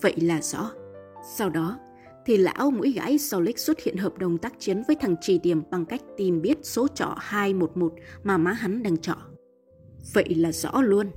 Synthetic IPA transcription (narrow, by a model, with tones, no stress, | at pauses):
və̰˧˨jlaː˨˩zɔ̰˧˥sa˧wɗɔ˨˦ | t̪ʰi˨˩la̰ː˧˥wmṵ˧˥jɣa̰ː˧˥jsa˧˩wlï˦˥k̟̚swə˦˥t̚hḭ˧˨ənɦəː˨˩p̚ɗə˨˩wŋ͡mt̪aː˦˥k̚t͡ɕi˨˦ənvəː˨˦jt̪ʰa˨˩ŋt͡ɕi˨˩ɗi˨˩əmɓa˨˩ŋka˦˥jk̟̚t̪i˨˩mɓi˦˥ət̚so˨˦t͡ɕɔ̰˧˨haː˧jmo˨˩t̚mo˨˩t̚maː˨˩maː˨˦ɦa˨˦nɗaː˧ŋt͡ɕɔ̰˧˨ | və̰˧˨jlaː˨˩zɔ̰˧˥lu˧ən